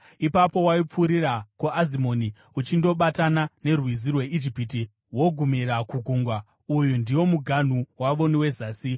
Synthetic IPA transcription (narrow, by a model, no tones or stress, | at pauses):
ipapo̞waip͡fuːɾirakuʔazimo̞ːni | ut͡ʃindo̞ɓatanane̞rwizirwe̞ʔid͡ʒipiti | wo̞ɡʱumirakuɡʱuŋɡwa | ujundiwo̞muɡʱan̤uwaʋo̞newe̞zaːsi